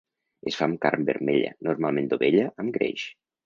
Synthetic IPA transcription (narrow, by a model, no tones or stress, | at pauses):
esfamkaɾmbḛɾmeʎa̰noɾmalˠmẽnd̪oβeʎəʔəmɡɾḛʃ